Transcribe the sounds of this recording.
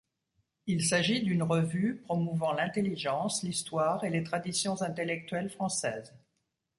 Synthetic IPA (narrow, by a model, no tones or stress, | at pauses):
ilsaʒid̪ynʁəvypχɔmuvɑ̃lɛ̃t̪eliʒɑ̃slist̪waʁelet̪χad̪isjɔ̃zɛ̃t̪elɛk̚t̪ɥɛlfχɑ̃sɛːz